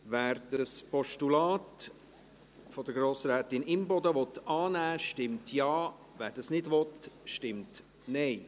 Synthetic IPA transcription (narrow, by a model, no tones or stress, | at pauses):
ʋæːɾd̥əspɔʃtulɑːt | fɔd̥əɾɡɾoːsɾæːt̪ɪnɪmbɔd̪əʋɔt̪ɑːnæːʃtɪmtʰjɑː | væːɾd̥ɑsnɪdʋɔtʃtɪmt | nɛɪ